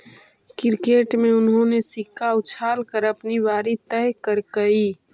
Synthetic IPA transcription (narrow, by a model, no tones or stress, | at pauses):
kɪɾkeʈmẽʊnɦõnesɪkʰaʊt͡ʃʰaːlkəɾəpnibaːɾit̪ɛjkəɾkəi